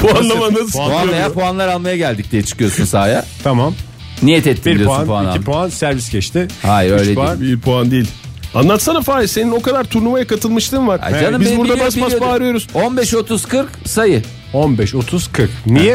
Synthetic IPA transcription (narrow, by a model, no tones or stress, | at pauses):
pʰoanlˠamanad̪sanajaɾpʰoanlˠaɾalˠmajaɟælʲd̪ic̚d̪ijɛt͡ʃʰɯ̥kɯjo̞sunsaːjat̪ʰamam | nijɛt̪ɛt̪ʰːiiɾd̪ijooaanpoanaipʰoansæɾviscʰɛʃt̪ʰɪhajøjlʲedpoianbipʰoand̪iːilʲ | anlˠat̪sanafaːjise̞nino̞kad̪aɾt̪ʰuɾlˠumajakʰat̪ʰɯlˠmɯʃt̪ʰɯmvaɾa̰d͡ʒanɯmbizbuɾd̪abasipazpaːɾɯjo̞ɾuz̥onbɛʃo̞t̪ʰuzkɯɾksajɯ | onbɛʃot̪ʰuz̥kʰɯɾknijɛ